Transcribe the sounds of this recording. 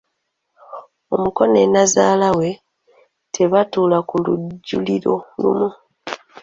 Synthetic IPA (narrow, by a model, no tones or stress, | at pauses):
o̞muko̞ne̞nazaːlawe̞ | tʰe̞βatulakuluɟːṵliɾo̞lṵmu